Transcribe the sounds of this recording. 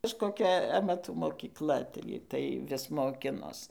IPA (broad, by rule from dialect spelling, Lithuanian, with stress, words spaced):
kɐʃkoːˈkʲɛ ɐmɐˈtuː moːkʲiːˈklˠɐ ˈtɐɪɡʲɪ tɐɪ ˈʋʲɪs moːˈkʲɪnoːs